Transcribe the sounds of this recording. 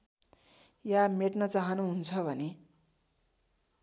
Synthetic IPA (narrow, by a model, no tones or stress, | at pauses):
jameʈnʌt͡saɦʌnuɦunt͡sʰʌbʱʌne